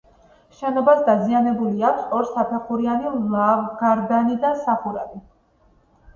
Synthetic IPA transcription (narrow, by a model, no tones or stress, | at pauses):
ʃɛnɔbasd̪azianɛbuliakʷʰsɔɾsapʰɛχʰuɾianiɡaɾd̪anid̪asaχuɾavi